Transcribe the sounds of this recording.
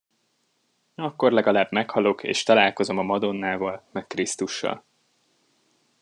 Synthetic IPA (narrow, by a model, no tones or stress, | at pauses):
ɒkːo̞rlɛɡɒlaːbmɛkhɒlo̞kḛːʃt̪ɒlaːlko̞zo̞mɒmɒd̪o̞nːaːvɒlmɛkkrist̪uʃːɒ̰l